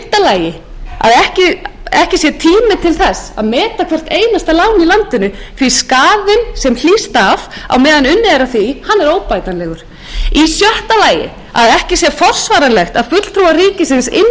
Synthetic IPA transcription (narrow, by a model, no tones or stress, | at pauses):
t̪alaːjɪ | a̰ðɛhcɪɛhcɪsjɛt̪ʰiːmɪt̪ʰɪlθɛsa̰ðmɛːt̪akʰvɛr̥t̪eːjnast̪alaːwnilant̪ɪnʏθiskaːðɪnsɛml̥iːst̪ava̰wmɛːðanʏnːɪɛɾaθihanːɛɾoːwpajt̪anlɛɣʏɾ̥ | isjɔr̥t̪alaːjɪ̰ | aðɛhcɪsjɛfɔr̥svaːɾanlɛxt̪aðfʏt̪l̥t̪ʰɾuariːcɪsɪnsɪ̰n